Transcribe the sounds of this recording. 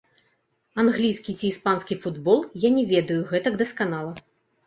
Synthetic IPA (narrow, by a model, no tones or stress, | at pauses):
anɣlʲijskʲit͡sʲiːspansʲkʲifud̪bɔlˠjanʲɛvʲɛd̪ɐjuɣɛt̪ɐɡd̪ɐskanalˠɐ